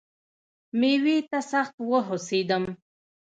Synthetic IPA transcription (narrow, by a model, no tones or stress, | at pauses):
mewit̪asaxt̪wəɦosed̪əm